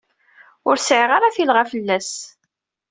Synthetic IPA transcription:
ʊɾsʕiʁaɾaθilʁafəlːæs

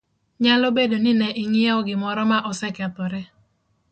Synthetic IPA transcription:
ɲalɔbedonɪnɛʔɪŋɪɛɔɡɪmɔɾɔmaʔɔsɛkɛt̪ɔɾɛ

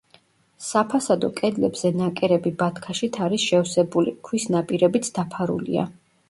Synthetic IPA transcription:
sapʰasad̪ɔkʼɛd̪lɛbz̥ɛnakʼɛɾɛbibat̪ʰkʰaʃit̪ʰaɾisʃɛwsɛbulikʰwisnapʼiɾɛbit̪sʰd̪apʰaɾṵlḭa̰

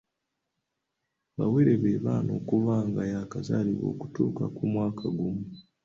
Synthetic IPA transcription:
βawe̞ɾeβeːβaːnʔo̞̰ːkuvaːŋɡajakazaːliβo̞̰ːku̥tuːkakumwaːkʰaɡumu

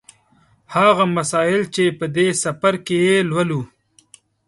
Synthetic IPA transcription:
haɣamasɑɪlt͡ʃepəd̪esɐfaɾkejelwalu

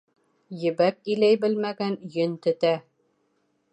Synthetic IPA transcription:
jɘ̆bæk̚ilæjbɘlmæɡænjɵnt̪ɘ̆t̪æ

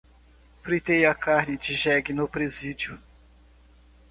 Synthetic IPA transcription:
fɾit̪ejakaɾnɪd͡ʒɪʒɛɡɪnʊpɾezid͡ʒjʊ

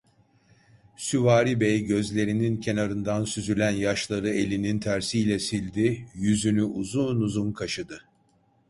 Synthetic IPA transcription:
syvaːɾibɛjɟø̞zlʲe̞ɾinincʰe̞naɾɯnd̪ansyzylʲænjaʃlˠaɾɯe̞lʲinint̪ʰæɾsijlʲɛsilʲd̪ijyzynyʔuzunuzunkʰaʃɯd̪ɯ

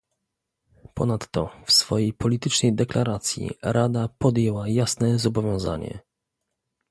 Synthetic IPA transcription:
pɔ̰nat̪ːɔ̰fsfɔjejpʰɔlʲit̪ɘt͡ʂnɛjd̪ɛklaɾat̪sʲjḭɾad̪apɔd̪jɛwajasnɛzɔbɔvʲjɔ̃w̃za̰ɲɛ̰

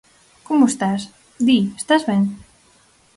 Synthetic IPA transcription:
komoest̪as | d̪iest̪azβɛŋ

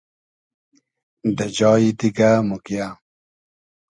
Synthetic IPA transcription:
d̪əd͡ʑɑːit̪iɡamukja

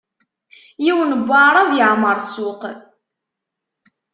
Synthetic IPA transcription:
jiwənəbʷːɑɾˤavjəʕməɾˤsʊq

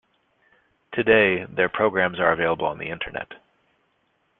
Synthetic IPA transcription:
tʰɨdeɪðə˞pʰɹ̥oʊɡɹæ̃mzə˞ɨveɪlˠəbəl̩ˠə̰̃nðḭɪ̃ntʰə̰˞nɛ̰t

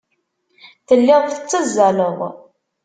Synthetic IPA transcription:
θəlːɪðˤθət͡sːəzːæləðˤ

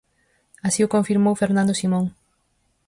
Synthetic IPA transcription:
asiʊkõɱfiɾmowfeɾnãnd̪ʊsimõŋ

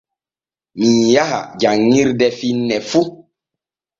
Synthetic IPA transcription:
mijaha̰d͡ʒaŋːiɾdɛfinːɛfu

